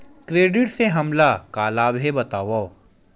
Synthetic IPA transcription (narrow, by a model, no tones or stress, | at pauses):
kɾeːɖɪʈseɦɐmlakaːlaːbʱebɐt̪aːʋo